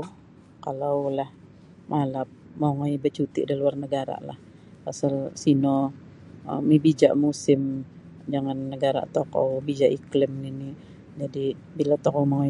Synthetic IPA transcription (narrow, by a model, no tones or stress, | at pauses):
kalawlah | mʔalap̚moŋɔjbət͡ʃut̪ɪ̰ʔdiluarnəɡaɾa̰la̰h | asalsinɔ | mibid͡ʒa̰ʔmusɪm | d͡ʒaŋanːəɡaɾa̰ʔt̪ɔkɔ̰wbid͡ʒaʔiklɪmnini | d͡ʒadi | bilat̪ɔkɔmaŋɔj